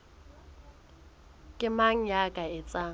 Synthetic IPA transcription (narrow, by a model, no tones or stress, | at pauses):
kʼɪmaŋ̩jakʼaɪt͡sʼaː